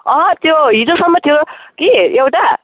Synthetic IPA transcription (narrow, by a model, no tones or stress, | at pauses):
ʌɦʌt̪joɦid͡zosʌmːʌt̪ʰijokiewʈa